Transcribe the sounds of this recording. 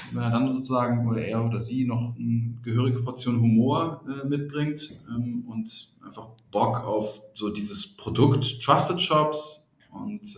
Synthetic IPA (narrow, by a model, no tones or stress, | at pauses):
vɛneɐdanzoːt͡suzaːɡŋ̩ʔoːdɐʔeːɐʔoːdɐziːnɔχnɡ̥əɦøːʁɪɡəpʰɔɐt͡sjoːnɦumoːɐʔɛːmɪt̚b̥ʁɪŋtʔɛːmʊntʔaɪnfaχb̥ɔkaʊfz̥oːdiːzəspʁ̥odʊktːʁ̥astətʃɔps | ʔʊ̰nt